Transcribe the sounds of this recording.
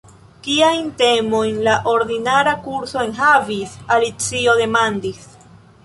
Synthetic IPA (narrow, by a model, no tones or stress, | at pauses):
kiajnte̞mo̞jnlaʔo̞ɾdinaɾakuɾso̞enɦavisalit͡sio̞de̞mandis